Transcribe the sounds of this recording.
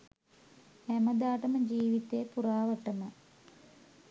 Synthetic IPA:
æməd̪aːʈəməd͡ʒiːʋit̪ejpuɾaːʋəʈəmə

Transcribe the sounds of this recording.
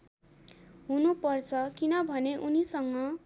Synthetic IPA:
ɦunupʌrt͡sʰʌkinʌbʱʌneʔunisʌŋːʌ

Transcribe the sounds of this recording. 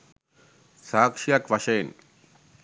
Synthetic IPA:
saːkʂijakʋɐʂɐːn

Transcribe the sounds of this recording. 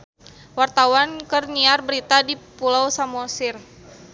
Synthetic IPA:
wart̪awankərniarbəɾit̪adipulawsamɔsɪr

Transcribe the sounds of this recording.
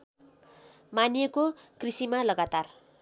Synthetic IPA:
manjekokrisimalʌɡat̪ar

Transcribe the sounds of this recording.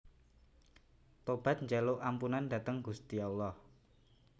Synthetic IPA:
t̪ob̥a̤t̪̚ɲd͡ʒaloʔampunandä̤t̪əŋɡust̪ialːɔh

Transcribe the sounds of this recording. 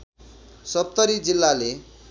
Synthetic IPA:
sʌp̚t̪ʌɾid͡zilːale

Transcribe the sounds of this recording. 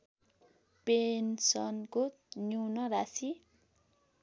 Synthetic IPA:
pensʌnkotnjunʌɾasi

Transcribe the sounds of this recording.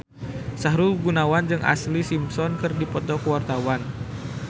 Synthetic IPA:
saɦɾulɡunawand͡ʒɨŋʔa̰slisimsɔnkɨrdipɔt̪ɔkəwart̪awan

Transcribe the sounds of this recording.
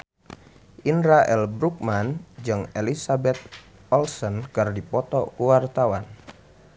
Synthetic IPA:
ʔinɾaʔɛlbɾuk̚mand͡ʒɨŋelisabɛt̪̚ | ɔlsɔnkɨrdipɔt̪ɔ̰kuwart̪awan

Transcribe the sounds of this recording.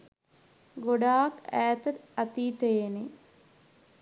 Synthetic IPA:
ɡoɖaːkæːt̪ət̪ɐt̪iːt̪ejene

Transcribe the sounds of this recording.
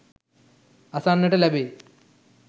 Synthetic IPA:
ɐsaːnːɐʈɐlɐbeː

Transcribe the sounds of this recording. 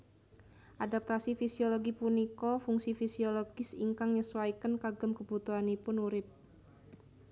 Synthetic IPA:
ʔadap̚t̪asifisioloɡipunikɔfuŋsifisioloɡ̥ɪsiŋkaŋɲəsuwaikənkaɡəmkəbut̪uɦanipʊnuɾɪp̚

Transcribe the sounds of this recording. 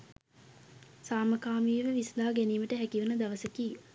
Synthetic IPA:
saːməkaːmiːʋəʋislaːɡæniːməʈəɦækiʋənəd̪aʋəsəkiː

